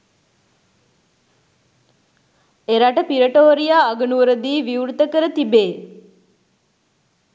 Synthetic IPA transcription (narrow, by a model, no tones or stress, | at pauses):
eɾaʈəpiɾəʈoːɾijaːɡənuʋəɾəd̪iːʋiuɾt̪əkəɾət̪ibeː